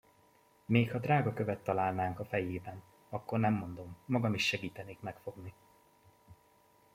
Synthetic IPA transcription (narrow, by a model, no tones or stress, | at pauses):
meːkhɒd̪raːɡɒkø̞vɛt̪ːɒlaːlnaːŋkɒfɛjeːbɛn | ɒkːo̞rnɛmːo̞nd̪o̞mːɒɡɒmiʃːɛɡiːt̪ɛneːkmɛkfo̞ɡni